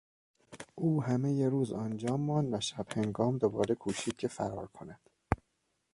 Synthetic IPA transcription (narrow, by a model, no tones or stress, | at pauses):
ʔuːhæmejeɾuːzænd͡ʒɒːmːɒːnd̪væʃæb̥heŋɡɒːmd̪obɒːɾekʰuːʃiːd̪̚cʰefæɾɒ̰ːɾkʰonæd̪̥